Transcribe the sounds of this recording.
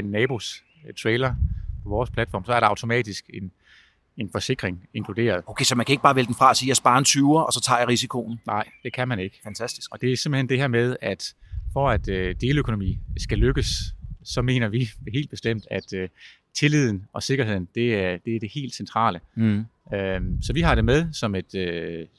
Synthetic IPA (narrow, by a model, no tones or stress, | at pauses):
enːɛːb̥o̝s | t͡sʰʁeːlɐpʰɒ̽ʋɒːspʰlæd̥fɒ̰ːmsɒ̽æɐɾ̥ɑɑ̈ʊt͡sʰo̝mɛ̰ːd̥isɡ̥e̝n | enfɒ̽se̝ɡ̥ʁeŋe̝ŋkʰlud̥e̝̰ːɐð̞̩ˠokʰesɒmænkʰæe̝ɡ̥əb̥ɑ̈ːʋeləd̥enfʁɑ̈ɒsiːjasb̥ɑ̈ːent͡sʰyɐʔɒsɒ̽t͡sʰɑ̰̈ːjɑ̈ʁisikʰo̝n̩nɑ̈ɪ̰d̥e̝kʰæmæne̝ɡ̥əfænt͡sʰæsd̥i̥sɡ̥ɒ̽d̥e̝æɐse̝mb̥̩hend̥e̝ɦɛɐ̰með̞ˠæd̥fɒ̽æd̥ød̥e̝ːləøkʰo̝nomḭːsɡ̥æløɡ̥əsːɒ̽me̝̰ːnɐʋiɦe̝̰ːld̥̚b̥e̝sd̥em̰d̥æd̥ | t͡sʰe̝lið̞̰ˠn̩ɒ̽se̝ɡ̥ɐɦe̝ð̞̰ˠn̩d̥e̝æɐd̥e̝æɐd̥e̝he̝̰ːld̥sent͡sʰʁɑ̰̈ːlə | øsɒ̽ʋiɦɑ̈ɾ̥e̝með̞ˠsɒ̽me̝d̥ø